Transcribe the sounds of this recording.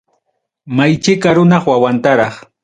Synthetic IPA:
majt͡ʃɪkaɾʊnɑχwawant̪aɾɑχ

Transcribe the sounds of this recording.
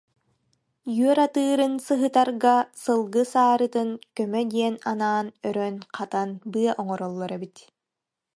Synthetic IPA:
jyœɾat̪ɯːɾɯnsɯɦɯt̪aɾɡasɯlˠɡɯsaːɾɯt̪ɯnkœmœd̪iɛnanaːnœɾœnqʰat̪anbɯɐʔɔŋɔɾɔlˠːɔɾɛbit̪

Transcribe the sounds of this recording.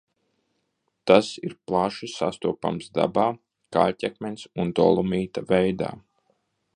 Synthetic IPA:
t̪asiɾplˠaʃisa̰st̪uɔpa̰msd̪a̰baː | kaltʲɛkmʲɛnsund̪ɔ̰lˠumiːt̪avɛjd̪a̰ː

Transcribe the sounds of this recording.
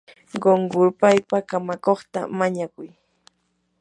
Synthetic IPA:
ɢoŋɢʊɾpajpakamakoχt̪a̰maɲakʊj

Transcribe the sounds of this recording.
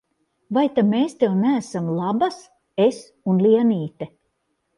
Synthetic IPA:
vajt̪ameːst̪ewnæːsamlˠabas | es | unliɛniːt̪ɛ

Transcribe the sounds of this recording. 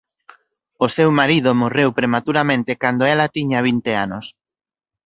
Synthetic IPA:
osewmaɾiðʊmorewpɾemat̪uɾamẽnt̪ɪkand̪oɛlat̪iɲaβ̞int̪eanos

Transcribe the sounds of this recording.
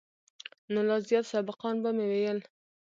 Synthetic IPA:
nʊlɑzijɑt̪sɑbɪqɑnbamewejəl

